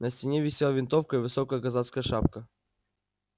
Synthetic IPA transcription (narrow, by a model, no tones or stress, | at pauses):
nəsʲtʲɪnʲevʲɪsʲelˠavʲɪnt̪ofkəivɨsokəjəkɐzat̪skəjəʂap̚kə